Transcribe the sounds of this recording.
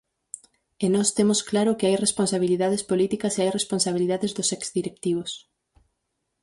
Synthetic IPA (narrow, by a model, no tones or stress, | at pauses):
enɔst̪emʊsklaɾʊkɪajresponsaβ̞iliðaðespolit̪ikɐseajresponsaβ̞iliðaðezðʊsɛkz̥ðiɾek̚t̪iβ̞ʊs